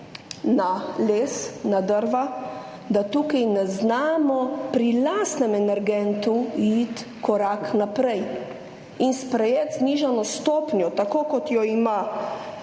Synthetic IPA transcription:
naleːsnad̪əɾʋa | d̪at̪uːkajnɛznaːmɔpɾilast̪nɛmɛnɛɾɡɛnt̪uit̪ | kɔɾaknapɾɛj | inspɾɛjet̪zniːʒanɔst̪oːpnjɔt̪akoːkɔt̪jɔima

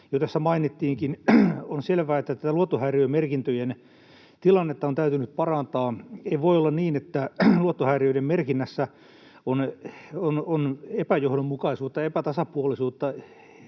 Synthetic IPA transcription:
jot̪æsːæmɑinit̪ːiːŋkinonselʋæːet̪ːæt̪æt̪æluot̪ːohæːriømerkint̪øjen | t̪ilɑnːet̪ːɑont̪æyt̪ynyppɑrɑnt̪ɑːeiʋoiolːɑnniːnet̪ːæluot̪ːohæːriøidemmerkinːæsːæ | onononepæjohɾommukɑisuːt̪ːɑepæt̪ɑsɑpuolisuːt̪ːɑ

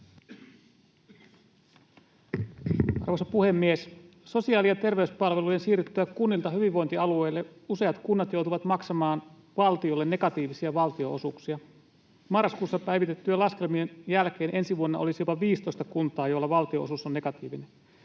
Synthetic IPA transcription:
ʔɑ̰rʋosɑpuhe̞mːies | so̞siɑːliɑt̪e̞rʋe̞yspɑlʋe̞lujensiːryt̪ːøækunːilt̪ɑɦyʋiʋʋo̞jnt̪iɑlue̞ːlːeuse̞ɑt̪kunːɑt̪jo̞wt̪uʋɑt̪mɑksɑmɑːn | ʋɑlt̪iolːenːe̞kɑt̪iːʋisiɑʋɑlt̪io̞ʔosuksiɑ | mɑrːɑskuːsːɑpæjʋit̪e̞t̪ːyælɑske̞lmienjælk̟e̞ːnʔe̞nsiʋuonːɑʔo̞lisijo̞pɑʋiːst̪o̞jst̪ɑkunt̪ɑːjolːɑʋɑlt̪io̞̰ʔosusonːe̞kɑt̪ḭːʋinen

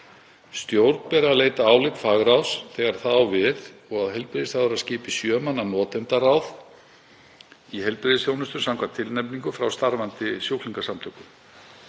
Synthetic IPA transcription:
st̪jowɾt̪n̥pɛɾaleːjt̪aaːwlɪt̪faɣɾawsθɛɣaɾ̥θawvɪðɔɣaðɦɛjlpɾeðɪsθaðʏɾaðscɪːpɪsjœːmanːanɔːt̪ɛnt̪aɾawð | iɦɛlpɾeðɪsθjownʏst̪ʏsawŋkʰvat̪ʰɪlnɛpniŋkʏfɾawst̪aɾvant̪ɪsjowkʰliŋkasamt̪ʰœkʏ

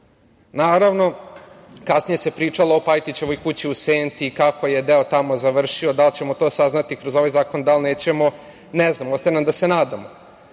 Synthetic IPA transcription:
naːɾaʋno̞ | kasnije̞se̞pɾiːt͡ʂaloopajt̪it͡ɕeʋo̞jkut͡ɕiuseːnt̪ikako̞jed̪eot̪amo̞zaʋr̩ʂio̞d̪alt͡ɕe̞mot̪o̞ːsaznat̪ikɾozo̞ʋajzaːko̞nd̪alˠneːt͡ɕe̞mo̞ | nɛznamost̪anamd̪ase̞naːd̪amo

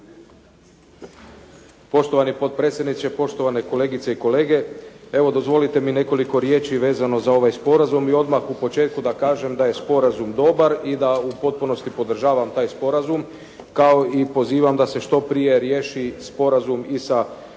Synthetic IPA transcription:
po̞ʃt̪o̞ʋanipo̞t̪̚pɾe̞ːt̪sʲjed̪nit̪se̞po̞ʃt̪o̞ʋane̞ko̞le̞ːɡit̪seiko̞le̞ːɡe̞e̞ʋo̞d̪o̞zʋo̞lit̪e̞mine̞ko̞liko̞ɾje̞ːt͡ʃiʋe̞ːzano̞zao̞ʋajspo̞ɾazumio̞d̪maxupo̞t͡ʃe̞ːt̪̚kud̪akaːʒe̞md̪aje̞spo̞ɾazumd̪o̞baɾid̪aupo̞t̪̚puno̞st̪ipo̞d̪r̩ʒaːʋamt̪aːjspo̞ɾazum | kao̞ipo̞ziːʋamd̪ase̞ʃt̪o̞pɾije̞ɾje̞ːʃispo̞ɾazumisa

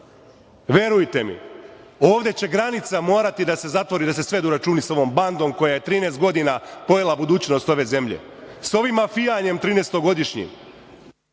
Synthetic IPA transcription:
ʋʲje̞ɾujt̪e̞mḭ | oːʋd̪et͡ɕe̞ɡɾanit̪samo̞ːɾat̪id̪ase̞zat̪ʋo̞ɾid̪ase̞sʋe̞d̪uɾat͡ʃuːniso̞ʋo̞ːmband̪o̞mko̞jaje̞t̪ɾiːneːst̪ɡo̞d̪inapo̞jelˠabud̪uːt͡ɕno̞st̪o̞ʋe̞ze̞mʎḛso̞ʋimːafijaɲe̞mt̪ɾiːnest̪o̞ɡo̞d̪iʃɲḭm

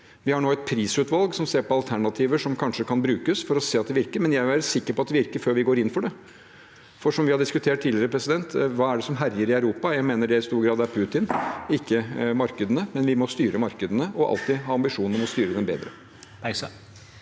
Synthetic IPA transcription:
ʋɪhɑɳoːɛt̪̚pʰɾiːsʉːt̪ʋɑlˠɡsɔmseːɾpɔɑlt̪ʰæɳɑt̪ʰiːʋəʂɔmkʰɑnʂəkʰɑnbɾʉːkəsfɔɾɔseːɑt̪d̪ɛʋɪɾkəɾmɛnjæɪʋʋæːɾəsɪkːəɾpɔɑt̪̚d̪ɛʋɪɾkəɾføːɾʋɪɡoːɾɪnːfɔɖɛ | fɔʂɔmʋɪhɑɖ̪ɪskʉt̪ʰeːʈ̚t̪ʰiːd̪lɪɾəpʰɾɛsɪd̪ɛnt̪ʋɑːæɖɛsɔmɦæɾjəɾɪœʉɾuːpɑjæɪmeːnəɖɛɪst̪uːɾɡɾɑːd̪æɾpʰʉt̪ɪnɪkːəmɑɾkəd̪ənəmɛnʋɪmɔst̪yːɾʔəmɑɾkəd̪ənəʔɔʔɑ̰lt̪ɪɦɑːɑmbɪʂuːnnmɔst̪yːɾəd̪ɛnbḛːd̪ɾə | pæɪsə

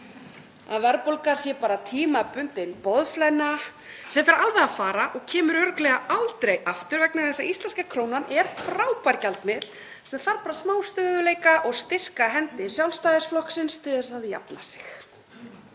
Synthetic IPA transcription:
a̰ðvɛɾpolkaɾ̥sjɛpaːɾat̪ʰiːmapʏnt̪ɪnpɔðflɛna | sɛmfɛɾalvɛðaðfaːɾaʔɔɣcʰɛːmʏɾœɾklɛɣaalt̪ɾejʔaft̪ʏɾvɛknaθɛsːaʔist̪lɛnskakʰɾoːwnanʔɛɾ̥fɾaːwpaɾcalt̪mɪt̪l̥ | sɛmθaɾpaːɾasmaːwst̪ʏːðʏleːjkaʔɔɣst̪ɪr̥kaɦɛnt̪ɪsjawlst̪aːjðɪsflɔhksɪnst̪ʰɪlðɛsaðja̰pnasɪ̥x

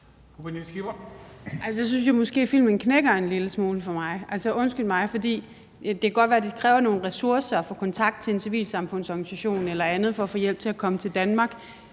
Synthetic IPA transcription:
kub̥enisɡ̥ib̥ɐælsses̬yns̬jamɔ̽sɡ̥e̝̰ːfil̰mənkʰneɡ̥ɐe̝nliləsmo̝ːləfɒ̽mɑ̈ɪæl̰sɒʔɔ̽nsɡ̥yld̥mɑ̈ɪfɒ̽d̥ḭː | d̥e̝kʰæɡ̥ɒ̽d̥ʋæːɐd̥ekʰʁɛːʊɐno̝ːn̩ʁɛsuɐsɐfɒ̽kʰɒ̽nt͡sʰɑ̈ɡ̥d̥̚t͡sʰe̝ensiʋḭːlsɑ̈mfɔ̽n̰sɒɡ̥nisæɕo̝̰ːnelɐænð̩ˠfɒ̽ːfɔ̰ːjel̰b̥̚t͡sʰe̝lækʰɒ̽mət͡sʰe̝ld̥ænmɑ̈ːɡ̥

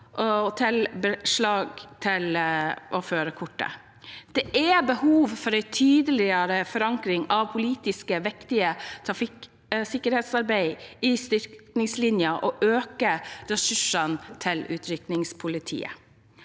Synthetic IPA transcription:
ʔɔt̪ʰɪlbəʂlɑːɡt̪ʰɪlʔɔføːɾəkʰʊʈːə̰ | d̪̥ɛʔæbəhuːʋfɔɾæɪt̪ʰyːd̪əlɪəɾəfɔɾɑŋkɾɪŋɑʋpʰʊliːt̪ɪskəʋɛkt̪ɪət̪ʰɾɑfɪk | sɪkːəɾheːt̪sɑɾbæɪɪst̪ʏɾknɪŋslɪnjəʔɔʔøːkəɾɛsʉʂənt̪ʰɪlʉ̰ːt̪ʰɾʏknɪŋspʰʊlɪt̪ʰḭːə̰

